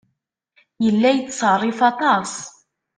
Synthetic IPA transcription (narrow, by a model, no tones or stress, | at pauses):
jəlːæjət͡sːsˤɑrˤːifɑt̪ˤɑsˤ